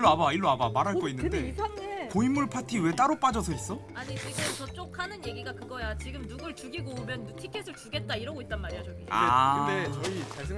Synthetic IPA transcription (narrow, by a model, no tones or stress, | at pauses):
oabaiɭːoabamaɾɦaɭk͈ʌinːɯnde̞ekoimːuɭpʰatʰiwe̞t͈aɾop͈ad͡ʑʌsʰʌis͈ʌaɲikikat͡ɕʌt͡ɕ͈okʰanɯnje̞ɡiɡakɯɡʌjat͡ɕiɡɯmnuɡɯɭt͡ɕuɡiɡomjʌnːutʰikʰesʰɯɭt͡ɕuɡe̞t̚t͈aiɾʌɡoit̚t͈anmaɾiaɕʰʌia̰det͡ɕʌit͡ɕasʰɯ